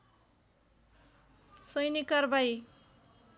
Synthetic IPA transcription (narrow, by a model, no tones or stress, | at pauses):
sʌjnikʌrbaj